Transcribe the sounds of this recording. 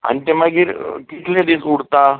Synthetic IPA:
a̰ñit̪ɛmaɡiːɾkit̪lẽd̪esuɽt̪a

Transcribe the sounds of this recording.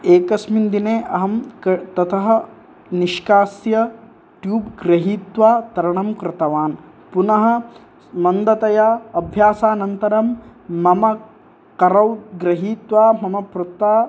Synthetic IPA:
eːkɐsmind̪ineːʔɐɦɐmkt̪ɐt̪ʰɐɦɐ̆ | niʃkaːsjɐ | ʈjuːbɡɾɐɦiːt̪ʋaːt̪ɐɾɐɳɐmkɾɪt̪ɐʋaːn | punɐɦɐ̆ | mɐnd̪ɐt̪ɐjaːɐbʱjaːsaːnɐnt̪ɐɾɐmːɐmɐ | kɐɾɐwɡɾɐɦiːt̪ʋaːmɐmɐpɾut̪aː

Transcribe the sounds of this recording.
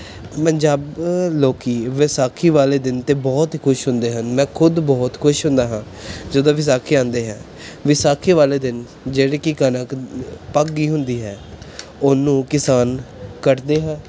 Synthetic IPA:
pəɲd͡ʒaːbloːkiːʋɪsaːkʰiːʋaːleːd̪ɪnt̪eːbɔːt̪kʰʊʃɦʊ̃nd̪eːɦənmɛ̃ːkʰʊd̪bɔːt̪kʰʊʃɦʊ̃nd̪aːɦãː | d͡ʒəd̪õːʋɪs̬aːkʰeːãːnd̪eːɦɛ̃ː | ʋɪsaːkʰiːʋaːleːd̪ɪn | d͡ʒeːɽeːkɪkənəkpəɡːiːɦʊnd̪iːɦɛː | ʊnːũːkɪsaːnkəʈd̪eːɦɛ̃ː

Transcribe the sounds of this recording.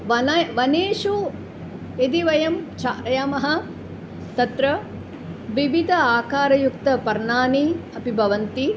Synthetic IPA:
ʋɐnʋɐneːʃu | ed̪iʋɐjɐmt͡ʃaːɾjamɐɦɐ | t̪ɐt̪ɾɐ | ʋiʋid̪ʱɐaːkaːɾɐjuk̚t̪ɐpɐɾɳaːniɐpibʱɐʋɐnt̪i

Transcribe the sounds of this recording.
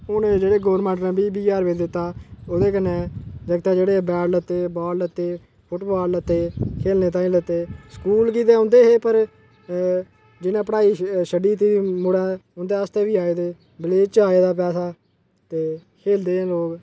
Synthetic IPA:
ʊnd͡ʒeːɽeːɡoːɾmɛ̃ːɳʈnɛ̃ːbiːbiːjaːɾʋeːd͡ʒd̪ɪt̪ːaːoːd̪eːkənɛ̃ːd͡ʒəɡt̪aːd͡ʒeːɽeːbɛːɽlət̪ːeːbaːɾlət̪ːeː | pʰʊʈbaːllət̪ːeːkʰeːlneːt̪̬ãːĩːlət̪ːeːskuːlk̬iːt̪̬eːʊ̃ːnd̪eːɦeːpəɾ | d͡ʒɪnãːpəɽaːiːʃəɖiːt̪iːiːmʊɽɛ̃ːʊnd̪eːəst̪eːʋiːaːeːd̪eː | bəleːt͡ʃaːeːd̪aːpɛːsaː | t̪eːkʰeːld̪ẽːloːk

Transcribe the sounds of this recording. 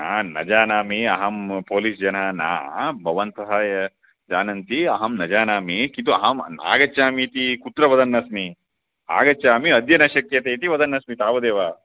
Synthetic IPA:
naːnɐ̰d͡ʒaːnaːmiɐɦɐmpoːlisd͡ʒɐnɐna̰ːbʱɐʋɐnt̪ɐɦɐjɐ | d͡ʒaːnɐnt̪iɐɦɐmnɐd͡ʒaːnaːmikint̪uɐ̰ɦɐmna̰ːɡɐt͡ʃːaːmit̪ikut̪ɾɐʋɐd̪ɐnːɐsmi | a̰ːɡɐt͡ʃːaːmiɐd̪jɐnɐʃɐkjɐt̪eːt̪iʋɐd̪ɐnːɐsmit̪aːʋɐd̪eːʋaː

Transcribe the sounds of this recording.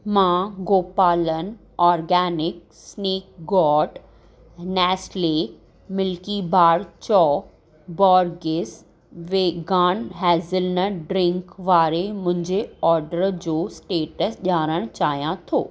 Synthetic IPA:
mãɡoːpaːlən | ɔːɾɡɛːnɪk̚ | sneːk̚ɡɔːʈ | nɛːsle | mɪlkibʱaːɽt͡ɕɔː | bɔːɾɡɪs | ʋeːɡaːnɦɛːzɪlnəɖɾɪ̃ŋkʋaːɾemʊ̃ɦɪ̃ɲd͡ʑeɔːɾɖəɾd͡ʑoːsʈeːʈəsʄaːɾəɽ̃t͡ɕaːɦijãt̪ʰo̰ː

